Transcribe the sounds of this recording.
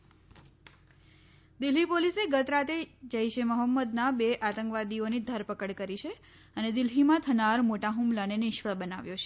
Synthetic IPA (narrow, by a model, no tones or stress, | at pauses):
d̪ɪlɦipoliseɡət̪ɾat̪ed͡ʒəiʃeməɦəmːəd̪nabeʔat̪ə̃ŋkʋad̪ionid̪ʱəɾpəkəɽkəɾit͡ʃʰe | əned̪ɪlɦimãt̪ʰənaɾmoʈaɦumlanenɪʃʋəɭbənaʋjot͡ʃʰe̥